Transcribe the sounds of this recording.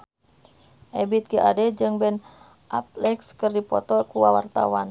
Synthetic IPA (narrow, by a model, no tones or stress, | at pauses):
ʔɛbit̪̚kiʔadɛd͡ʒɨŋbɛn | ʔap̚lɛkskɨrdipɔt̪ɔkuwawa̰rt̪a̰wan